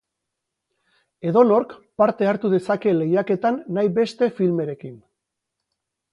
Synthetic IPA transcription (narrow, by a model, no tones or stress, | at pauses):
e̞ðo̞no̞ɾkpaɾt̪e̞aɾt̪uðe̞sake̞le̞jake̞t̪anːajbe̞st̪e̞filme̞ɾe̞kin